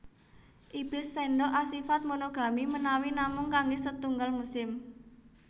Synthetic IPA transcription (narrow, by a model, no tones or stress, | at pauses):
ʔib̥ɪ̤seɳɖɔʔasifat̪̚monoɡ̥a̤mimənawinamʊŋkaŋɡesət̪uŋɡəlmusɪm